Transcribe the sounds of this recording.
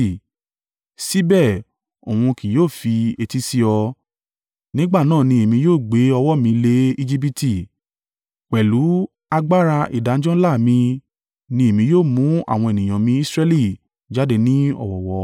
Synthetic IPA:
si˨˦bɛ˦˨ | o˨wũ˧ki˨joː˦˨fi˧e˧ti˦si˦ɔ˧ | nĩ˨˦ɡ͡ba˦˨nãː˦˨nĩ˧e˨mĩ˧joː˦˨ɡ͡be˨˦ɔ˧wɔ˦mĩ˧le˦i˧d͡ʒi˦p̬i˦ti˦˨ | k͡pɛ˨lu˨˦ | a˧ɡ͡ba˦ɾa˧ʔḭ˨da˨n̩˦d͡ʒɔ̃˦laː˦˨mĩ˧ | nĩ˧e˨mĩ˧joː˦˨mũ˨˦a̰˦˨w̃ɔ̃˧e˨nĩ˨j̃ã˨mĩ˧˦i˦sɾɛ˦li˦˨ | d͡ʒa˦de˧nĩ˦ɔ̰˦˨wɔ˨wɔ˨˦

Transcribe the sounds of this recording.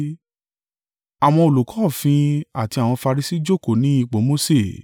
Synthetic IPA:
a˨w̃ɔ̃˧o˨lu˨kɔ˨˦˨fĩ˧a˨ti˧a˨w̃ɔ̃˧fa˧ɾi˧si˦d͡ʒo˦˨ko˨nĩ˨˦i˦˧k͡po˨˦mo˦se˦˨

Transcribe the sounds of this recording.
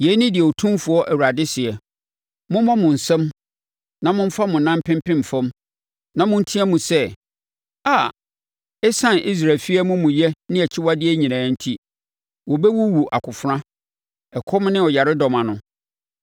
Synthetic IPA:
je˨˦nɪ̃˦dɪ˨ɛ˨o˨tʰũ˦mfʊ˨ɔ˦ʔæ˨wu˨ɾa˨dɪ˦sɪ˨ɛ˨ | mʊ̃˦mã˦mʊ̃˨n̩˨sɛ̃˦m | nã˨mʊ̃˦m̩˦fa˦mʊ̃˨nã˦m˦pʰɪ̃˦m˦pɪ̃˦m˨fɔ̃˦m | nã˨mʊ̃˦n˦tʰĩ˦ɛ˦mũ˨sɛ˦˨ | aː˨ | ɛ˦sã˦nʔi˦s̬ɾa˨lfi˦ɛ˦mʊ̃˦mʊ̃˨jɛ˦nɪ̃˦ɛ˨t͡ɕʰɪ˦wa˦dɪ˦ɛ˦ɲĩ˨nãː˨˦n̩˦tʰi˦ | wɔ˨bɛ˦wu˦wu˨ʔa̰˨kʰʊ˨fɾã˦ | ɛ˨kʰɔ˦m˦nɪ̃˦ɔ˨ja˨ɾɪ˦dɔ˨mã˨nʊ̃˨

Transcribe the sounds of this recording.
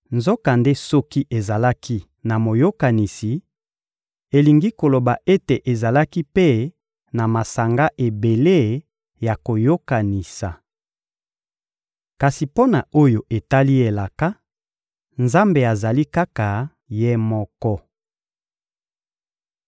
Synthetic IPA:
nzɔ˦ka˨nde˦sɔ˦ki˦ʔe˨za˨la˦kʰi˦ | na˨mo˨jo˦ka˨ni˨si˨ | e˨li˨ŋɡi˦ko˨lo˨ba˨ʔe˦te˨ʔe˨za˨la˦ki˦pe˦ | na˨ma˨sa˨ŋɡa˦ʔe˨be˨le˦ | ja˨ko˨jo˦ka˨ni˨sa˨ | ka˨si˨po˦na˨o˦jo˨ʔe˨ta˦li˦e˨la˨ka˦ | nza˦mbe˨a˨za˨li˦ka˦ka˨ | je˦mɔ˦kɔ˦

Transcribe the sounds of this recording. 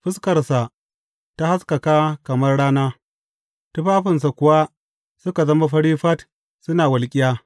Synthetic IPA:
ɸɪ˦skɐ˨rsa˨ | ta˦ha˦skɐ˨kaː˦kɐ˨mɐ˦rɽaː˦naː˦ | tʊ˦ɸaː˦ɸɪ˨nsa˨kʷʊ˨wa˦ | sʊ˦ka˨zɐ˦ma˦ɸɐ˦ɽiː˦ɸɐ˦t | sʊ˦naː˨wɐ˨lkʲʼɪ˦jaː˦

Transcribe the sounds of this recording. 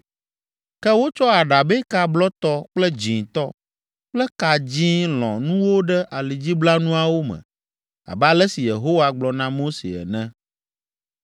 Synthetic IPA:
kɛ˦wo˦t͡ʃɔ˦a˨ɖa˨bɛ˦ka˦blɔ˦t̪ɔ˦k͡plɛ˦d͡ʑĩ˨t̪ɔ˦ | k͡plɛ˦ka˨d͡ʑĩ˦lɔ̰̃˨nũ˦wo˦ɖɛ˦ʔa˨li˨d͡ʑi˦bla˦nũ˦a˨wo˦mɛ̰̃˨ | a̰˨bɛ˦a˦lɛ˦si˨je˨ɦo˦wa˨ɡ͡blɔ˨nã˦mo˦sḛ˨ɛ̰˨nɛ̃˦

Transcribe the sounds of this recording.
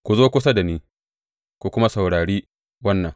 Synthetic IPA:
kʷu˨zoː˦kʷʊ˦sɐ˦da˨niː˦ | kʷu˨kʷʊ˦ma˦sɐ˨wɽaː˨ɽiː˦ | wɐ˦nːɐ˨ŋ

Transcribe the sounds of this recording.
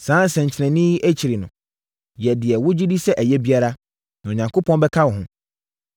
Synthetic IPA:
sãː˨˦n˦sɛ̃˨ɲ̩˨t͡ɕʰɪ˨nɛ̃˨nɪ̃˦ji˦ʔæ˦t͡ɕʰi˨ɾi˨nʊ̰̃˨ | jɛ˨dɪ˨ɛ˨wʊ˦d͡ʑi˦di˦sɛ˦ʔæ˨jɛ˦bi˦a˦ɾa˦ | nã˨ɔ˨ɲã˨ŋkʰo˦pʰɔ̃˦nbɛ˦kʰa˦wɔ˨ɦʊ̃˦

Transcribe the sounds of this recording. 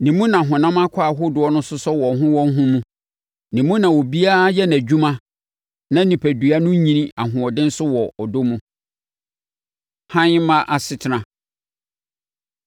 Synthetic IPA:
nĩ˨mũ˦nã˨ɦʊ̃˨nã˦ma˦kʷʰa˦˨ɦʊ˦dʊ˦ɔ˦nʊ̃˦sʊ˦sɔ˦wɔ˨ɦʊ̃˦wɔ̃˦n˦ɦũ˦mũ˦ | nĩ˨mũ˦nã˨wɔ˨bi˦a˦jɛ˦næ˨d͡ʑᶣu˦mã˦ | nã˦nĩ˨pʰæ˨du˨a˨nʊ̃˦ɲĩ˦nĩ˦a˨ɦʊ̃˨ɔ˨dɪ̃˦n̩˦sʊ˦wɔ˨ɔ˨dʊ˦mũ˦ | hã˦ɲ˦mã˦ʔa˨sɪ˨tʰɪ˨nã˨

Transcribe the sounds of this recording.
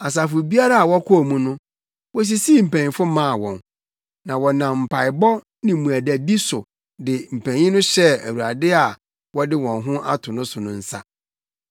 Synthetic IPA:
a˨s̬a˨fʊ˨bi˦a˦ɾa˦a˨wɔ˦kʰʊ˦˨mũ˦nʊ̃˦ | wɔ˦s̬i˦siː˦˨m̩˨pʰæ̃˨ɲĩ˨fʊ˦mã˦˨wɔ̰̃˨n | nã˨wɔ˨nã˨m̩˨pʰa˨ɪ˨bɔ˦ | nɪ̃˨mũ˨æ˨dæ˨bi˦sʊ˨ | dɪ˨m̩˨pʰæ̃˨ɲĩ˦nʊ̃˦ɕɛ˦æ̰˨wu˨ɾa˨dɪ˦a˨ | wɔ˦dɪ˦wɔ̃˨nɦʊ̃˦ʔa̰˦tʰʊ˨nʊ̃˦sʊ˨nʊ̃˦n̩˦sa̰˦

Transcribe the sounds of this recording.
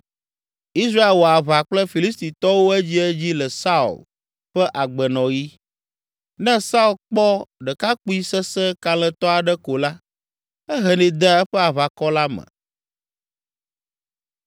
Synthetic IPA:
i˦sɾa˦e˨lwo˨a˨βa˨k͡plɛ˦fi˨li˦st̪i˨t̪ɔ˦wo˦ɛ˦d͡ʑi˦ɛ˦d͡ʑi˦lɛ˨sa˦ṵ˨l | ɸɛ˦ʔa˨ɡ͡bɛ˨nɔ̃˨ji˦ | nɛ̃˦sa˦u˦lk͡pɔ˦ɖɛ˨ka˦k͡pu˦i˦sɛ˦sɛ˦ka˨l̃ɛ̃˨t̪ɔ˦a˨ɖɛ˦ko˨la˦ | ɛ˦ɦɛ˨nĩ˨d̪ɛ˦ɛ˦ɸɛ˦a˨βa˨kɔ˦la˦mɛ̰̃˨

